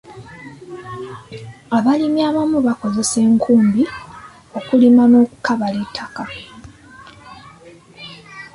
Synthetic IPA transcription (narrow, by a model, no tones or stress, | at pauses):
aβalimjaːβamuβako̞ze̞se̞ːŋkʰuːmbi | o̞kulimano̞ːku̥kaβaletʰːaka